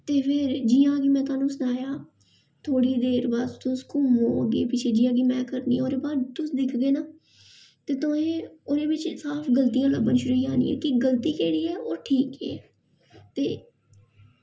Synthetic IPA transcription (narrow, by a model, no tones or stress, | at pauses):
t̪eːpʰɪɾd͡ʒiːãːɡimɛ̃ːt̪ʊaːnũːsʊnaːjaː | t̪ʰoːɽiːd̪eːɾbəst̪ʊskʊmɦo̰ːɡḛːpɪt͡ʃʰeːd͡ʒɪːãːɡiːmɛ̃ːkəɾnḭːoːɾeːbaːɾt̪ʊsd̪ɪkʰɡeːnaː | t̪eːt̪ʊẽːʊnẽːʋɪt͡ʃsaːpʰɡəlt̪ijãːləbənʃʊɾuːiːaːnḭːɛ̰ːkɪɡəlt̪iːkɛːɽiːɛːoːʈʰiːkɛ̰ː | t̪eː